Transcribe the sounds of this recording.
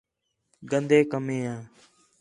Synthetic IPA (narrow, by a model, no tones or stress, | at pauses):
ɡənd̪eːkəmẽːãː